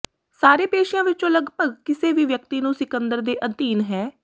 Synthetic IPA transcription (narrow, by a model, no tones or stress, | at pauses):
saːɾeːpeːʃɪjãːʋɪt͡ʃõːləɡpəɡkɪseːʋiːʋjək̚t̪iːnũːsɪkənd̪əɾd̪eːʔənt̪iːnɦɛː